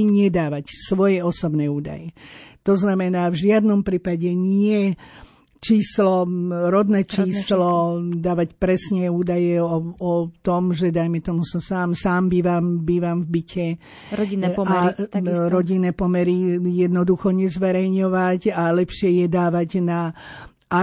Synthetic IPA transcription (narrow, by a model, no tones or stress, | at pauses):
ɲɪɛd̪aːʋacsʋɔjɛɔsɔbnɛːuːd̪a̰jɛt̪ɔznamɛnaːvʒɪad̪nɔmpɾiːpaɟɛɲɪɛ | t͡ʃiːslɔɾɔd̪nɛt͡ʃiːslɔd̪aːʋacpɾɛsɲɛuːd̪ajɛɔɔt̪ɔmʒɛd̪ajmɛt̪ɔmusɔmsaːmsaːmbiːʋambiːʋamvbicʰɛ | ɾɔaɾɾɔɟinːɛːpɔmɛɾijɛd̪nɔd̪uxɔɲɛzʋɛɾɛjɲɔʋacalɛpʃɪɛjɛd̪aːʋaɟna | a